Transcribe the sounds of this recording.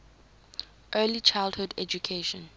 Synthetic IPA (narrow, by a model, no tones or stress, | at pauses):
ʔɜlit͡ʃʰaɪldhudɛ̰d͡ʒukʰeʃɔ̃n